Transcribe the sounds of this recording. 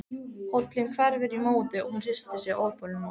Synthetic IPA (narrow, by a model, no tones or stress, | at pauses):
howt̪lɪnkʰvɛɾvɪɾimoːwðɪɔɣhunr̥ɪ̥st̪ɪsjɛɣʔoːwpɔlɪma